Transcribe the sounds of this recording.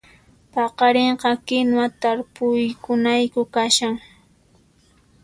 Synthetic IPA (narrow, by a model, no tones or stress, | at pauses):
pɑqɑɾeɴqɑkɪnwat̪aɾpʊjkʊnajkʊkaʃaŋ